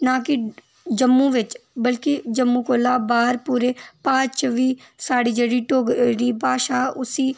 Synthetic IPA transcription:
naki | d͡ʒəmːũʋɪt͡ʃbəlkid͡ʒəmːũkoːlaːbaːɾpuːɾepãːt͡ʃʋiːsaːɽid͡ʒeːɽiʈoːɡɾiːbaːʃaːʊsiː

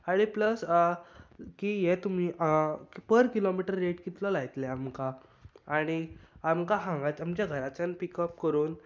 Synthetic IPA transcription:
aɽ̃ipləsə | kiːjɛt̪um̤iːʔkpəɾkilomiʈəɾːeʈkit̪lɔlaɡt̪lɛamka | aɽ̃iamkaɦãŋɡat͡samt͡ɕjaɡʱəɾat͡sanpikəp̚kəɾuːn

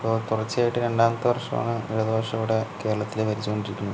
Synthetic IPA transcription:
poːt̪urɐt͡ɕːɨaːjiʈːɨɾe̞ɳɖaːmɐt̪ːɨʋɐrʂɐma̰ːnːɨiɻɐðɨbɐrʂɐuɽeke̞ːɾɐɭɐt̪ːileʋɐɾit͡ɕːukoɳɖiɾikʲːunːu

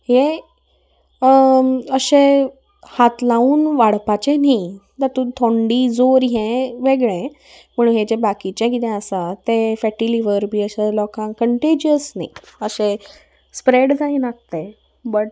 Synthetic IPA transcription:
he | əɕẽ | hat̪lauːnʋaɽpat͡ɕẽnid̪at̪ũt̪ʰõɳɖiːd͡zoɾɦẽʋeɡɭẽ | m̤əɽ̃uːnɦed͡ʑebakit͡ɕẽkit̪ɛ̃əsat̪efɛʈiliʋəɾbʱiːəɕelɔkãŋkəɳʈed͡ʑiəsnaiəɕe | spɾeɽd͡zaĩnak̚t̪e | bəʈ̚

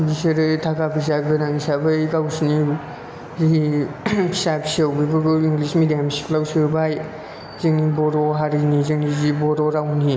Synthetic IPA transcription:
ɡiseɾɯtʰakapʰis̬aɡɯnaŋisabɯkawsini | zi | pʰisapʰi̥sawbibɯɡuiŋɡlismidijamsi̥klawsiɾbaj | zeŋnibɔɾɔɦaɾinizeŋnizibɔɾɔɾawni

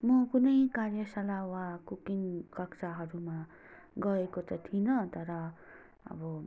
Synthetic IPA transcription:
mʌkunʌjkarjʌsalawakukinkʌkt͡saɦʌɾuma | ɡʌekot̪ʌt̪ʰinʌt̪ʌɾʌ | ʌ̰bʌ

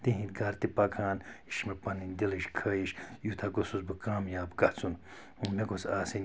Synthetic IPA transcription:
t̪iɦĩnɡɐɾt̪ipɐkʰaːniʃmɐpɐninʲd̪iliʃkʰɐːjiʃjut̪ʰaɡosuzbɨkaːmjaːbɡɐt͡sun | meɡosaːsin

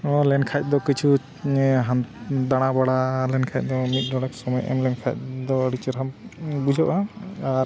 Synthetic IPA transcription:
ɔlɛnkʰac̚ˀd̪ɔkit͡ʃʰu | ɦand̪aɽ̃abaɽalɛnkʰac̚ˀd̪ɔmit̪̚ˀd̪ɔɽɛksɔmɔjʔɛ̰mlɛnkʰac̚d̪ɔɾit͡ʃəɾɦambud͡ʒʱɔʔaaɾ

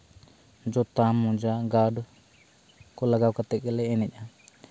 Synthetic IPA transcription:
nd͡ʒot̪amũd͡ʒaŋɡaɖu | kulaɡakat̪ekeleenẽɲã

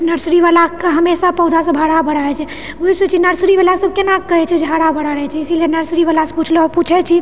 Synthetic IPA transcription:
nəɾsɾiʋalakɦəmesapəd̪ʱasə̃bʱaɽabʱəɽaɛt͡ʃʰɛ | ʋoisut͡ʃʰinəɾsɾiʋalasəb̚ʱkenakːəɦɛt͡ʃʰɛd͡ʒɦaɽabəɽaɾɛt͡ʃʰɛisilenəɾsɾiʋalasɔ̃put͡ʃʰleɔɾput͡ʃʰɛt͡ʃʰi

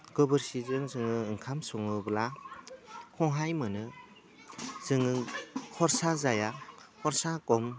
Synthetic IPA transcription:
ɡɯbɯɾsizɯŋzɯŋɯɯŋkʰamsɔŋɯbla | kʰɔŋɦajmɯnɯ | z̥ɯŋɯkʰɔɾsazajakʰɔɾsakɔm

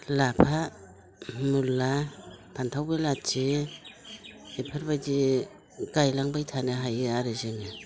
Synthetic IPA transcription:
lapʰa | mulːapʰantʰawbelat͡ʃe | epʰɯɾbadi | ɡajlaŋbajtʰaneɦajeaɾɯzenɯ

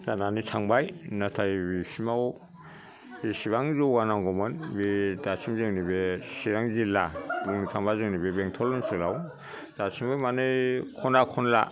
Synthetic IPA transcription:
zananitʰaŋbajnatʰajbisimawɔ | bisiβaŋzoɡanaŋɡɔmɯnbidasʰimzɯŋnibesiɾaŋzilaluŋnitʰaŋbazɯŋnibebeŋtʰɔlɔnsɯlaw | z̥asʰiŋbɯjmanɯjkʰɔnakʰɔnla̰

